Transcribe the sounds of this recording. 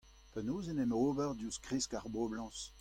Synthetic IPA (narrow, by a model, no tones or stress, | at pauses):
pɛnoːzenɛmoːbɛʁdjuskʁiskaʁboblɑ̃s